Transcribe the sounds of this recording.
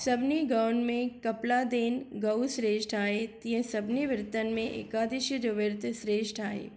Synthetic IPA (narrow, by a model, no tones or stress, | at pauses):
sɐbniɡɐwnmẽkɐplaːd̪eːnɡɐwsɾeːʃʈʰaːet̪ijə̃sɐbniʋɪɾt̪ənmẽʔḛːkaːd̪iʃiɾoʋɪɾt̪ʰsɾeːʃʈʰaːɦḛː